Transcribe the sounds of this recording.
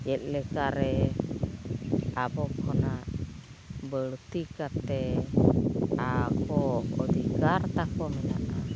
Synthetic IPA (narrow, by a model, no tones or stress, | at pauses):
jɛt̪̚ˀlɛkaɾɛ | abɔkʰɔnaʔ | bəɭt̪ikat̪ɛ | akɔːd̪ikaɾt̪akɔmɛna̰ʔa